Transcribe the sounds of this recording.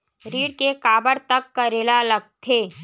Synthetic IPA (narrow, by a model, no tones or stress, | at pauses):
ɾiːɽkekaːbəɾt̪ɐkːɐɾeːlalɐɡ̚t̪ʰeː